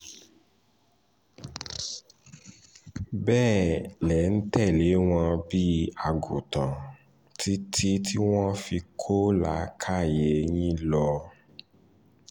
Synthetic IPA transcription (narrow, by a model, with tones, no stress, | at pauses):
bɛː˦˨lɛ˨˦n̩˦tɛ˦˨le˨˦w̃ɔ̃˧bi˦a˨ɡo˨tã˨ | tʰi˦tʰi˦tʰi˦w̃ɔ̃˦fi˧kʰo˦la˨˦kʰa˦˨je˨ɲ̃ĩ˦lɔ˧